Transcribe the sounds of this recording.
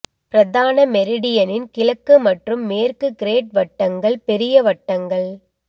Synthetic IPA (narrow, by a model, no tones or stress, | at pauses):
pɪɾɐðaːnɐmɛɾɪɽɪjɐnɪnkɪɭɐkːɯmɐʈrɯmːeːrkɯkɪɾeːʈ̚ʋɐʈːɐŋɡɐɭpɛɾɪjɐʋɐʈːɐŋɡɐɭ